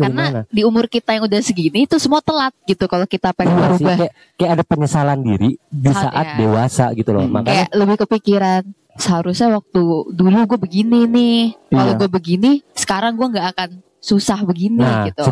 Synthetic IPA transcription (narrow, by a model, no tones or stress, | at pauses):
knadiumʊrkit̪ajaŋudahsəɡinit̪usəmuat̪əlat̪̚ɡit̪ukalokit̪apɛaɾusɪbakja | kajaadapəɲəsalandiɾidisa̰ʔat̪̚dewasa̰ɡit̪ulɔ̰ma̰kkajaləbɪhkəpikiɾan | səɦaɾʊsɲawak̚t̪uduluɡuabəɡininɪhkaloɡuabəɡinisə̥kaɾaŋɡuaŋɡaːkan | susahbəɡiniɡit̪u